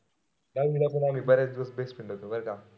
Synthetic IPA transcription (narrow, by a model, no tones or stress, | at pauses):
nalmilapəɳam̤iːbəɾat͡sd̪iʋəsbespiɳɖət̪obəɾka